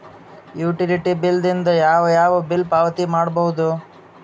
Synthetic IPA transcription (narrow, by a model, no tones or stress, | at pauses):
juːʈiliʈibild̪ind̪ɐjaːʋɐjaːʋɐbilpaːʋɐt̪imaːɽbɐɦud̪u